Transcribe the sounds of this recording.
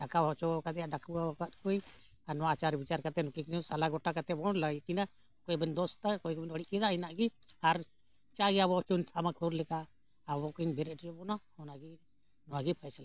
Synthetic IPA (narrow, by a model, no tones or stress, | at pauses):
ɖakaɦɔt͡ʃɔakat̪ɛjaɖakʰbuawakat̪kuj | aɾnɔwat͡ʃaɾbit͡ʃaɾkat̪ɛnukikinusalaɡɔʈakat̪ɛbɔɽlakina | kɔjbɛnd̪ɔst̪akɔjkbɛnɔɽiʔkɛd̪ainaʔɡiaɾ | t͡ʃaɡiabɔt͡ʃunt̪ʰamakʰuɾlɛkaː | bɔkiɲbɛɾɛʈd͡ʒɔbɔna | ɔnaɡi | nɔwaɡipʰajsla